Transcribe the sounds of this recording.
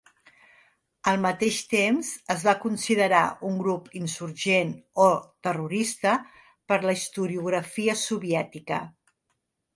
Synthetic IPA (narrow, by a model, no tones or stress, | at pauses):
əlˠmət̪eʃt̪emzəzβakunsiðəɾa̰uŋɡɾupinsuɾʒenot̪əruɾist̪ə | pəɾləist̪uɾiuɣɾəfiəsuβiɛt̪ikə